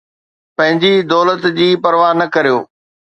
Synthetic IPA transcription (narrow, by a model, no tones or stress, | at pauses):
pɐ̃ɦɪ̃ɲd͡ʑid̪ɔːlət̪d͡ʑiːpɐɾʋaːnɐkɐɾijoː